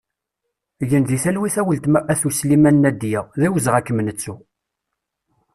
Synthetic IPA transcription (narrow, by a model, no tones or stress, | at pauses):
ʝənðiθælwiθæwəlt̪mæʔæθuslimænːæd̪jæðæwəzʁækːəmnət͡sːu